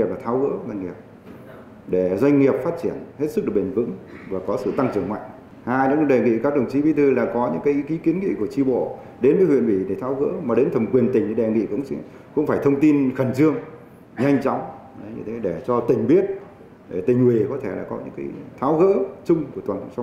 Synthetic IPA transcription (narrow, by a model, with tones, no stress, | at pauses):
i˨˩p̚laː˨˩t̪ʰaː˨˦wɣə̰ː˧˥za˧jŋŋi˨˩əp̚ | ɗe˧˩zwa˧jŋ̟ŋi˨˩əp̚faː˦˥t̚t͡ɕi˧˩ənhe˦˥t̚sɨ˦˥k̚ɗɨ˨˩ɓï˨˩ŋ̟vɨ̰˧˥ŋvaː˨˩kɔ˨˦sɨ̰˧˨t̪a˧ŋt͡ɕɨ˨˩əŋma̰˧˨jŋ | haː˧jɲɨ̰˧˥˧ɗe˨˩ŋḭ˧˨kaː˦˥k̚ɗə˨˩wŋ͡mt͡ɕi˨˦vi˨˦t̪ʰɨ˧laː˨˩kɔ˨˦ɲɨ̰˧˥ŋkaː˨˦jki˨˦ki˨˦ənŋḭ˧˨ku˧˩ət͡ɕi˧ɓo̰˧˨ | ɗe˨˦nəː˨˦jhwḭ˧˨ənvi˧˩ɗe˧˩t̪ʰaː˨˦wɣə̰ː˧˥maː˨˩ɗe˨˦nt̪ʰə˨˩mkwi˨˩ənt̪ï˨˩ŋ̟ɲɨ˧˦ɗe˨˩ŋḭ˧˨kʊ̰˧˥ŋ͡msɛ̰˧˥ | kʊ̰˧˥ŋ͡mfaː˧˩jt̪ʰə˧wŋ͡mt̪i˧nxə˨˩nzɨ˧əŋ | ɲa˧jŋ̟t͡ɕa˨˦wŋ͡m | ɗɲɨ̰˧t̪ʰe˨˦ɗe˧˩t͡ɕɔ˧t̪ï˨˩ŋ̟ɓi˦˥ət̚ | ɗe˧˩t̪ï˨˩ŋ̟hwi˨˩kɔ˨˦t̪ʰe˧˩laː˨˩kɔ˨˦ɲɨ̰˧˥ŋkaː˨˦jt̪ʰaː˨˦wɣə̰ː˧˥t͡ɕʊ˧ŋ͡mku˧˩ət̪waː˨˩nʰ˧˨ŋ͡msa˨˧˦